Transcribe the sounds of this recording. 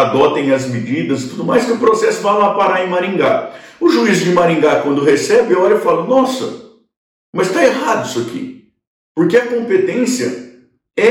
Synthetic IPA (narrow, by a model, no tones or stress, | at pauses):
ad̪ɔt̪ẽj̃ɐzmed͡ʒid̪ɐzɪt̪ud̪ʊmajskɪʊpɾosɛsʊvãlapaɾaẽj̃maɾĩŋɡaʊʒuizd͡ʒɪmaɾĩŋɡakwɐ̃nd̪ʊhesɛbɪaɔɾɐefalʊnɔsɐ̰ | mɐst̪aeɦad̪ʊisʊakʰḭ | poɾkeɐkõmpet̪ẽsiɐ̰ | ɛ